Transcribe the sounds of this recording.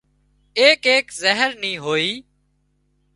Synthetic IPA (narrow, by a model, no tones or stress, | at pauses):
eːkeːkzəɦəɾnĩːɦoːiː